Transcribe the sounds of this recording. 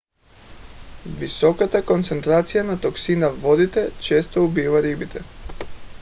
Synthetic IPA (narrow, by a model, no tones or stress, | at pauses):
visɔkat̪akont̪sɛnt̪ɾat̪sijanat̪ɔksinavɔd̪it̪ɛt͡ʃɛst̪oubivaɾibit̪ʰɛ